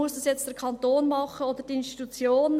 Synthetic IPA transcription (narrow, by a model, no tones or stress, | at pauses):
ʊəsdɑsjɛt͡std̥ɛɾkʰɑnt̪oːnmɑχəod̪əd̥iɪnstitut͡sjoːn